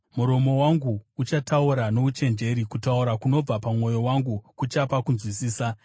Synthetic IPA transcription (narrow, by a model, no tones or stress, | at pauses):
muɾo̞mo̞waŋɡuut͡ʃatʰauɾano̞ʋut͡ʃe̞nd͡ʒe̞ɾikutauɾakuno̞b͡vapamŋo̞jo̞waŋɡukut͡ʃapakunzwisiːsa